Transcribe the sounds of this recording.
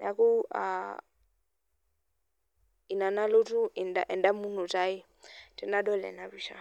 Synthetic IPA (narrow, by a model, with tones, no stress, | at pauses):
na˨ku˦a̰ | i˨na˨na˦lo˦tʼu˦i˨nda̰˨ʔɛ˨nda˦mu˦nu˨tʼa˦i˦ | tɛ˦na˦dɔ˦lɛ̰˨na˨bi˨ʃa̰˦˨